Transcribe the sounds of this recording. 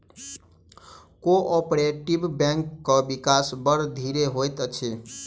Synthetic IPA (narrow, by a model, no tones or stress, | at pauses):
koʔɔpɾeʈibbɛ̃ŋkːəbikasbəɾd̪ʱiɾeɦojt̪ət͡ʃʰe